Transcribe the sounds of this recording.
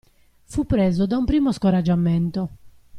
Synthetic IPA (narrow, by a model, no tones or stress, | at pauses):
fupːɾɛːzɔd̪aumpɾiːmɔskɔɾad͡ʒːamːɛnt̪ɔ